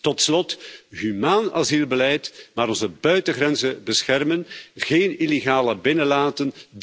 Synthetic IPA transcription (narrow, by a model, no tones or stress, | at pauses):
tɔtslɔtɦymaːna̰zilˠbəlɛjtmaːɾɔnzəbœɥtəɣɾɛnzəbəsxɛrmənɣeːnileɣaːləbɪnəlaːtənd